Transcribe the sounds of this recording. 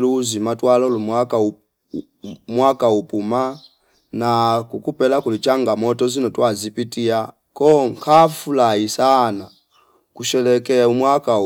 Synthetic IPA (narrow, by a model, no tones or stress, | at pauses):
luzimatwalɔlumwaka | mwakaupuma | nakukupɛlakulit͡ʃaŋɡamɔtɔzinɔtwazipitia | kɔŋkʰafulaisana | kuʃɛlɛkɛumwaka